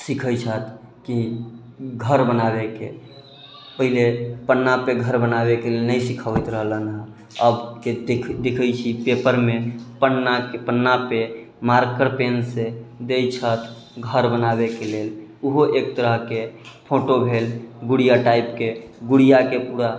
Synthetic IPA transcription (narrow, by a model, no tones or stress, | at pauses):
sikʰəjt͡ʃʰət̪ʰ | ki | ɡʱəɾbənaβekḛ | pəɦilepənːapeɡʱəɾbənabekelelnəjsikʰəʋəjt̪ɾəɦlənɦə | əbkekʰd̪ekʰəjt͡ʃʰipepəɾmepənːakepənːape | maɾkəɾpensed̪ejt͡ʃʰət̪ʰ | ɡʱəɾbənaβekeleluɦoʔek̚t̪əɾəɦkepʰoʈobʱelɡuɽijaʈaipkeɡuɽijakepuɽa